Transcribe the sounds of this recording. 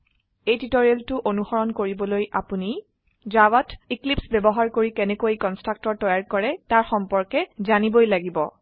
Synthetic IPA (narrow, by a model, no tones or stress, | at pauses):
ejtitɔɹieltʊʔonuxɔɹɔnkoɹibɔlojʔapuni | zawɔtiklipsbɛbɔɦaɹkoɹikɛnɛkojkɔnstɹak̚tɔɹtɔjaɹkɔɹɛtaɹxɔmpɔɹkɛzanibojlaɡibɔ̰